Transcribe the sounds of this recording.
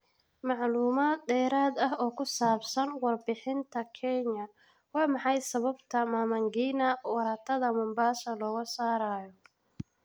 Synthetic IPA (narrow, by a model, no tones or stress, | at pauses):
mɑʕluːmaːd̪d̪ɛːɾaːd̪ɐɦɔːkʰʊsaːbsɐnwɑrbɪħɪnt̪ʰɐkʰɛɲɐ | wɑːmɑħɑjsɐβɐbt̪ʰɐmaːmɐŋɡiːnɐwɑɾaːt̪ʰɐðɐmʊmbaːʃɐlɔːɣɐsaːɾaːjɔ